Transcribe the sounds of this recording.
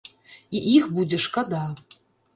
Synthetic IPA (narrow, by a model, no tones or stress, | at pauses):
iʔixbud͡zʲeʂkad̪a